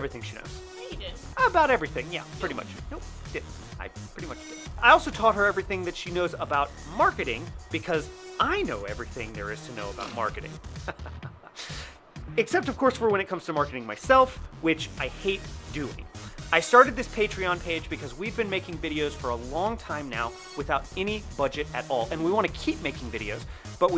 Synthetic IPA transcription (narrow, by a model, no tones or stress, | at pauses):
ɛvɹiθɪ̃ŋʃino̰ʊz̥ | i | əbaʊɾɛvɹiθɪ̃ŋjæ̰pʰɹ̥ɪɾimʌ̰t͡ʃnoʊd̥ɪdⁿn̩ta̰ɪpʰɹ̥ɪɾimʌt͡ʃdɪaɪɔlˠsoʊtʰɔt̚ɦə˞ɛvɹiθɪ̃ŋðɨtʃinoʊzəbaʊt̚mɑɹkɨɾɪ̰̃ŋb̥ɨkʰʌzʔaɪnoʊɛvɹiθɪ̃ŋðə̰˞ɨz̥tʰɨno̰ʊəbaʊt̚mɑ̰ɹkɨɾɪ̰̃ŋ | ɨksɛp̚tʌv̥kʰɔɹsfə˞wə̃ñɨt̚kʰʌ̃mz̥tʰɨmɑɹkɨɾɪ̃ŋmaɪsɛlˠfwɪt͡ʃʔaɪheɪt̚d̥ʉɪ̰̃ŋaɪstɑɹɾɨd̪̚ðɪspʰeɪtɹ̥iɑ̃npʰeɪd͡ʒbɨkʰʌzwivbɨ̃nmeɪkɪ̃ŋvɪɾioʊz̥fə˞əlɔ̃ŋtʰãɪ̃mna̰ʊ | wɨθaʊɾɛñib̥ʌd͡ʒɨɾɨɾɔlˠɨ̃nwiwɑ̃ñʰɨkʰip̚meɪkɪ̃ŋvɪɾioʊz̥ | b̥ʌt̚wi